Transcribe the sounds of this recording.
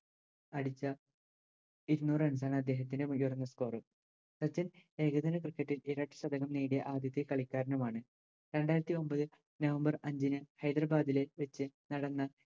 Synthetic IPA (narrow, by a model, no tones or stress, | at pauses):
ɐɽit͡ɕːɐ | iɾunːuːrɨɐns̬aːɳɨɐd̪ːe̞ːɦɐt̪̬ːindejurɐnːɐsko̞ːrɨ | sɐt͡ɕːɐne̞ːɡɐd̪ɐnɐkrɨkːɐʈːileːɾaːʈːɨ̥sɐd̪ɐɣɐmneːɽijɐʔaːd̪jɐt̪ːikɐɭikʲːaːɾɐnɐmaːɳɨ | ɾe̞ɳɖaːjiɾɐt̪ːio̞mbɐðɨ | nɐʋɐmbɐrɐɲd͡ʑinɨhɐjd̪rɐbaːd̪ile̞ʋet͡ɕːɨnɐɽɐnːɐ